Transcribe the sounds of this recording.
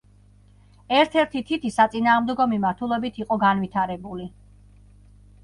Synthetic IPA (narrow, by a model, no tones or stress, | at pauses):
ɛɾt̪ʰɛɾt̪ʰit̪ʰit̪ʰisat̪sʼinaːʁmd̪ɛɡɔmimaɾt̪ʰulˠɛbit̪ʰiqʼɔɡanvit̪ʰaɾɛbuli